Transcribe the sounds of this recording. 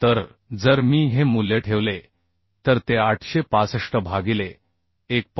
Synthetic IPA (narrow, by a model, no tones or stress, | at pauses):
t̪əɾ | d͡zəɾmiːɦemulːeʈʰeʋle | t̪əɾt̪eaʈʰɕepasəʂʈəbʱaɡileː | k̚p